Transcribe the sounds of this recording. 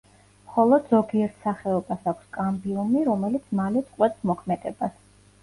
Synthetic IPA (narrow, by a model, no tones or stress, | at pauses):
mχɔlˠɔd̪zɔɡiɛɾt̪ʰsaχɛɔbasakʷʰskʼambiumiɾɔmɛlit̪ʰmalɛt̪sʼqʼwɛt̪smɔkʰmɛd̪ɛbas